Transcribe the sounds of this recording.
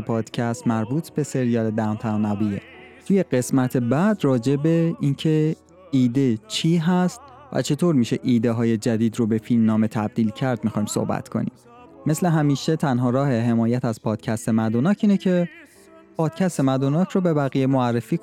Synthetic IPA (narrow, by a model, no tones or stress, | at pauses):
epʰɒːd̪̥cʰæst̪mæɾbuːt̪ʰbe̞se̞ɾijɒːled̪ænt̪ʰænæbijḛ | t̪ʰuːje̞ɢe̞smæt̪ʰebæd̪rɒːd͡ʒe̞be̞incʰe̞ | iːd̪et͡ʃʰiːɦæst̪̚ | væ̰t͡ʃʰe̞t̪ʰoːɾmiːʃe̞ʔiːd̪eɦɒːje̞d͡ʒæd̪iːd̪ɾobe̞filmnɒːme̞t̪ʰæb̚d̪iːlcʰæɾd̪̚mixɒːjmso̰hbæ̰t̪ʰkʰo̞̰nḭːmː | esleɦæmiːʃe̞t̪ʰænɦɒːɾɒːɦe̞ɦe̞mɒːjæt̪ʰæzpʰɒːd̪̥cʰæst̪e̞mæd̪onɒːcʰiːnecʰe̞ | pʰɒːd̪̥cʰæst̪e̞mæd̪onɒːcʰɾobe̞bæɣijemoærːefiːk